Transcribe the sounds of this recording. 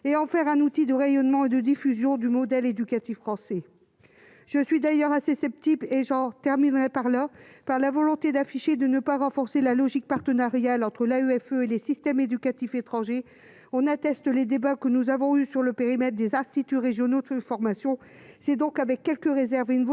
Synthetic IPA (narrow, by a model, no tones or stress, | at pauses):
eɑ̃fɛʁɛ̃nut̪id̪əʁejɔnmɑ̃ed̪əd̪ifyzjɔ̃d̪ymɔd̪ɛled̪ykat̪ifχɑ̃sɛ | ʒ̥əsɥid̪ajœʁasesɛp̚t̪ibleʒɑ̃t̪ɛʁminʁɛpaʁlapaʁlavɔlɔ̃t̪ed̪afiʃed̪ənəpaʁɑ̃fɔʁselalɔʒik̚paʁt̪ənaʁjalɑ̃t̪χəlayɛføelesist̪ɛmed̪ykat̪ifet̪χɑ̃ʒe | ɔ̃nat̪ɛst̪əled̪ebakənuzavɔ̃ysyʁləpeʁimɛt̪χd̪ezɛ̃st̪it̪yʁeʒjɔnod̪fɔʁmasjɔ̃ | sɛd̪ɔ̃kavɛkʲːɛlkəʁezɛʁveynv